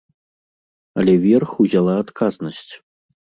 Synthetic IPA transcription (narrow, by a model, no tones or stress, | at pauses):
ɐlʲɛvʲɛrxuzʲalˠaːt̪kʰaznɐsʲt͡sʲ